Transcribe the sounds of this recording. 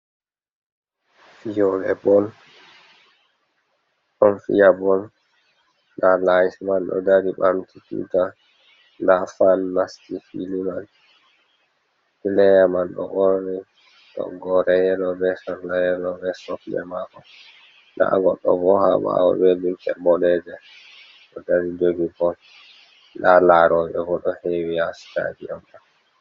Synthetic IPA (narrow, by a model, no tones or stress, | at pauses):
fijɔlɛbɔl | ʔɔnfijabɔl | ndalajismanɗɔ̰daɾiɓamtitṵta | ndafanmastifiluman | kilɛjamanɗɔ̰ʔɔɾni | ɗɔ̰ɡɔɾɛjɛlɔbɛsɔlajɛlɔbɛsɔflɛ̰makɔ | nda̰ɡɔɗːɔ̰vɔha̰ɓa̰ɔ̰belintɛbɔlɛdɛ | ɗɔdaɾid͡ʒoɡibɔl | dalaɾɔɓɛvɔɗɔhewiasta̰d͡ʒijɔnɗa